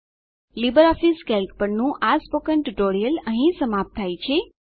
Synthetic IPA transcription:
libəɾɔfiskɛlʈpəɳnũʔaspokəɳʈɖoɽijələɦĩsəmap̚t̪ʰajt͡ʃʰe

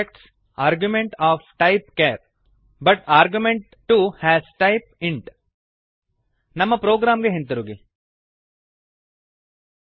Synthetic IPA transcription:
ek̚ʈs | aːɾɡjumẽɳʈaːfʈɐɪp̚keːɾ | bɐʈaːɾɡjumẽɳʈːuːhɛːzʈaɪp̚ɪ̃ɳʈ | nɐmːɐpɾoːɡɾaːmɡeɦĩnt̪ɐɾuːɡi

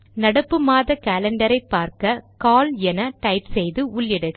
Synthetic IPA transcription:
nɐɽɐpːɯmaːðɐkaːlɐɳɖɐɾɐɪpːaːɾkɐkaːlɛnɐʈɐɪpsɛjðɯʊɭjɛɽɯɣ

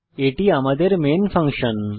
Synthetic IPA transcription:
eʈiamɐd̪əɾmeːnfʰɐ̃ŋkʂən

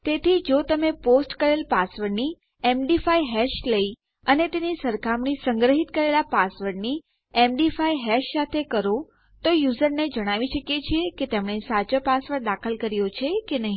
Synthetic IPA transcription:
t̪et̪ʰid͡ʒot̪əmeposʈkəɾelpasʋəɾni | emɖifaiɦɛʃləi | ənet̪enisəɾkʰamɳisəŋɡɾəɦit̪̚kəɾelapasʋəɾni | emɖifaiɦɛʃsat̪ʰekəɾo | t̪ojuzəɾned͡ʒəɽ̃aʋiʃəkjet͡ʃʰieket̪emɳesat͡ʃəpasʋəɾd̪akʰəlkəɾjot͡ʃʰekenəɦĩ

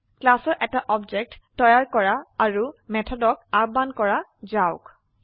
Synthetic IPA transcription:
klasɔɹʔɛtaʔɔbd͡ʒɛk̚tːɔjaɹkɔɹaːɹumɛtʰɔdɔkaɹ̚bankɔɹazaʊk

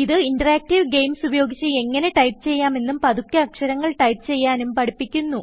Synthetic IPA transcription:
iðɨiɳɖɐraːk̚ʈiʋɡe̞jmsubɐjo̞ːɡit͡ɕːɨe̞ŋːɐne̞ʈɐjpt͡ɕe̞jːaːme̞nːumpɐðukʲːɐːkʂɐɾɐŋːɐɭʈɐjpɨt͡ɕe̞jːaːnumpɐɽipːikʲːunːu

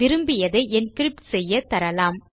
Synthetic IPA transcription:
ɪɾɯmbɪjɐðɐɪʔɛnskɪɾɪp̚ʈsɛjːɐt̪ɐɾɐlaːm

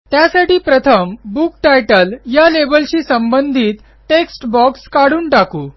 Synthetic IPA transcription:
t̪jasaʈiːpɾət̪ʰəmbukʈajʈəljalebəlɕiːsəmbənd̪ʱiːt̪ | ʈeksʈbɔkskaɽuːɳʈakuː

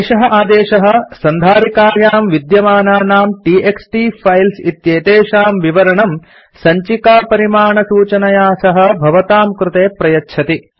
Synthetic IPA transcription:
ʃɐɦɐʔaːd̪eːʃɐɦɐ̆sɐnd̪ʱaːɾikaːɾjaːmʋid̪jɐmaːnaːnaːmʈiːeksʈipʰɐjlsit̪jeːt̪eːʃaːmʋiʋɐɾɐɳɐm | sɐɲt͡ʃikaːpɐɾimaːɳɐsuːt͡ʃɐnɐjaːsɐɦɐ̆bʱɐʋɐt̪aːmkɾut̪eːpɾɐjɐtːʃʰɐt̪i

